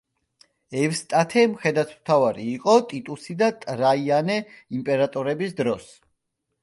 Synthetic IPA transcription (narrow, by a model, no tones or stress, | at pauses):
ɛvst̪ʼat̪ʰɛmχɛd̪at̪ʰmt̪ʰavaɾiːqʼɔt̪ʼit̪ʼusid̪at̪ʼɾaianɛimpʼɛɾat̪ʼɔɾɛbisd̪ɾɔs